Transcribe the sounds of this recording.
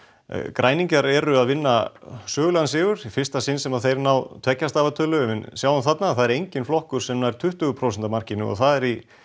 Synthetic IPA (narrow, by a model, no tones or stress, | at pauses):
kɾʔaːjniɲcaɾɛɾʏaðvɪnːasœːɣʏlansɪːɣʏɾ̥ifɪr̥st̪asɪnsɛmaðθejɾnawt̪ʰv̥ɛcːast̪aːvat̪ʰœːlʏmɛnsjawanθat̪naθaðɛɾejɲcɪnflɔhkʏɾ̥sɛmnajɾ̥t̪ʰʏht̪ʏɣʏpʰɾowsɛnt̪amar̥cɪnːʏ̰ɔ̰θaðɛɾi